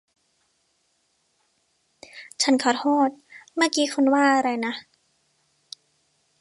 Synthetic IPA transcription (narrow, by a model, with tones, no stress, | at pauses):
t͡ɕʰa˦˥nkʰaː˨˩t̪̚hɔː˥˩t̪̚maː˥˩˨kiː˦˥kʰu˧nwaː˥˩ʔa˧ɾa˧jna˦˥